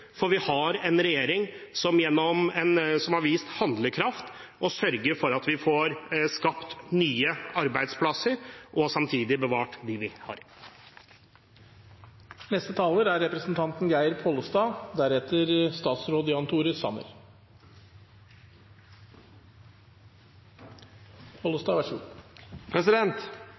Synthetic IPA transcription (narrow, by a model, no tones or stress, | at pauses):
fɔɾʋɪhɑɾɛnɾɛjeːɾɪŋsɔmjɛnːɔmɛnsɔmhɑɾʋiːst̪hɑnd̪ləkʰɾɑft̪ | ʔɔsœɾɡəɾfɔɾɑt̪ʋɪfoːɾskɑpt̪nyːəɑɾbæɪd̪spʰlɑsəɾʔɔsɑmt̪ʰiːd̪ɪbəʋɑːʈd̪iʋɪhɑ̰ɾ | nɛst̪ət̪ʰɑːləɾæɾːɛpɾəsn̩t̪ʰɑnt̪nɡæɪəɾpʰoːləst̪ɑːd̪æɾɛt̪ʰəɾst̪ɑːt̪sɾoːd̪əjɑnt̪ʰuːɾəsɑ̰mə̰ɾ | pʰolʊst̪ɑːʋɑʂ | pʰɾɛsɪd̪ɛnt̪